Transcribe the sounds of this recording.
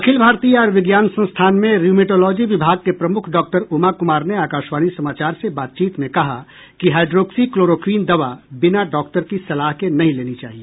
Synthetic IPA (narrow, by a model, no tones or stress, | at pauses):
ɐkʰɪlbʱaːɾt̪ijɔːɾʋɪɡjaːnsə̃nst̪ʰaːnmẽɾjuːmeʈoːlɔːd͡ʒiʋɪbʱaːɡ̚kepɾɐmʊkʰɖɔːk̚ʈəɾumakʊmaːɾneaːkaːʃʋaːnisɐmaːt͡ʃaːɾsebaːt̪̚t͡ʃiːt̪mẽkɐɦa | kiɦaːɪɖɾoːksikloːɾoːkɾiːnd̪ɐʋabɪnaɖɔːk̚ʈəɾkisɐlaːɦkenɐɦĩleːnit͡ʃa̰ːɦie